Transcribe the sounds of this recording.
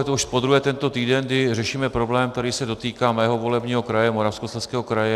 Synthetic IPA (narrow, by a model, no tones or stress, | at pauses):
ɛt̪ouʃpod̪ɾuɦɛːt̪ɛnt̪o̞t̪iːdɛnɡdɪrɛʃiːmɛpɾo̞blɛːmt̪ɛɾiːsɛdo̞t̪iːkaːmɛːɦovo̞lɛbɲiːɦo̞kɾajɛmoɾafskoslɛfskɛːɦokɾajɛ